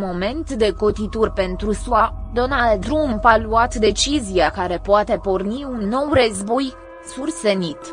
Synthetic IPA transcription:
mo̞me̞nt̪d̪e̞ko̞t̪it̪urʲpe̞nt̪ɾusuad̪o̞nald̪ɾumpaluat̪d̪e̞t͡ʃiziakaɾe̞poat̪e̞porniunːo̞wrəzbo̞j | surse̞nit̪

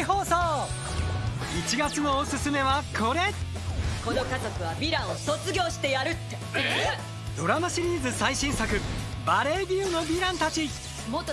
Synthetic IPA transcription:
ɦo̞ːsoː | it͡ɕiɡat͡sɨno̞ːsɨsɨme̞βakʰo̞ɾe̞t̪ | ko̞no̞katokɯ̟βabʲiɾãɰ̃oso̞t͡sɨɡʲo̞ːɕi̥t̪e̞jaɾɯ̟t̪ːe | d̪̥o̞ɾamaɕiɾʲiːzɨsaiɕĩɰ̃sakɯ̟baɾe̞ːɡʲiɯno̞bʲiɾãnt̪at͡ɕi | mot̪ːo

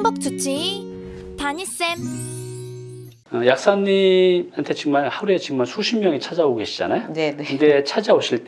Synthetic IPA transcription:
ŋbʌk̚t͡ɕ͈ut͡ɕ͈ʰi | taɲis͈em | ʌjak̚s͈aɲːimhantʰe̞t͡ɕimaɭhaɾuet͡ɕiɡmaɭsʰuɕʰimːjʌŋit͡ɕʰad͡ʑaoɡɡe̞ɕʰid͡ʑa̰najonekɯnde̞t͡ɕʰad͡ʑaoɕʰiɭt

